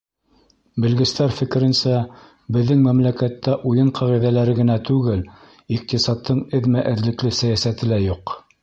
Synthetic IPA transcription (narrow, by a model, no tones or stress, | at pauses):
bɘ̆lɡɘ̆st̪æɾfɘ̆kɘ̆ɾɘ̆nsæ | bɘ̆ðːɘŋmæmlækæt̪ːæʔujɤɴqʰɑʁiðælæɾɘɡɘ̆næt̪ʉɡɘl | iq̚t̪isɑt̪ʰːɤɴɘ̆ðmæʔɘ̆ðlɘ̆klɘsæjæsæt̪ɘ̆læjuq